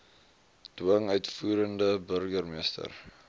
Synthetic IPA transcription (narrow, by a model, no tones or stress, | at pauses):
d̥uəŋœɥtfuːɾəndəbərɡərmiəstə̰r